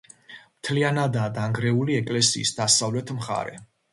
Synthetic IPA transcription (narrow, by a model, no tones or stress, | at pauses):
mt̪ʰlianad̪aːd̪aŋɡɾɛuliɛkʼlɛsḭːsd̪asavlɛt̪ʰmχa̰ɾɛ̰